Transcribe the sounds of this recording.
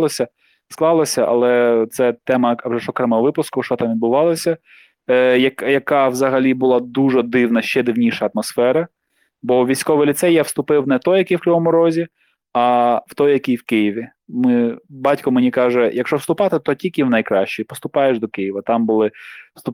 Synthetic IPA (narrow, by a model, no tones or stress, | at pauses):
ɔsʲɐ | sklˠɑlˠɔsʲɐʔɐ̰lˠɛt̪sɛt̪ɛmɐwʐɛʃɔkɾɛmɛɔʋɪpʊskʊʃt͡ʃɔt̪ɑmʋʲid̪̚bʊʋɑlˠɔsʲɐ | jɐkjɐkɑwzɐɦɐlʲibʊlˠɑd̪uʒɛd̪ɪwnɐʃt͡ʃɛd̪ɪwnʲiʃɐːt̪mɔsfɛɾɐ | bɔʋʲijsʲkɔʋɪjlʲit̪sɛjawst̪ʊpɪwnɛt̪ɔjɐkɪjwklʲɔɦɔmʊɾɔzʲi | ɐwt̪ɔjjɐkɪjwkɪjiʋʲi | mɪbɑtʲkɔmenʲikɑʒɛjɐkʃt͡ʃɔwst̪ʊpɑt̪ɪt̪ɔtʲilʲkiwnɐjkɾɑʃt͡ʃipɔst̪ʊpɑjeʒd̪ɔkɪjiʋɐt̪ɑmbʊlˠɪ̥st̪ʊ